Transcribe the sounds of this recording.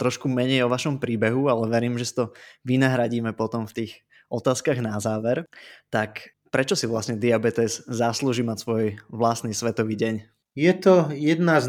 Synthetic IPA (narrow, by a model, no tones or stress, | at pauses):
t̪ɾɔʃkumɛɲɛjɔʋaʃɔmpɾiːbɛɦualɛʋɛɾiːmʒɛsi̥t̪ɔʋinaɦɾaɟiːmɛpɔt̪ɔmft̪iːɣ | ɔt̪aːskaɣnazaːʋɛɾt̪ak | pɾɛt͡ʃɔsiʋlasɲɛd̪iabɛt̪ɛzzasluːʒiːmacsʋɔjʋlast̪niːsʋɛt̪ɔʋiːɟɛɲ | jɛt̪ɔjɛd̪naz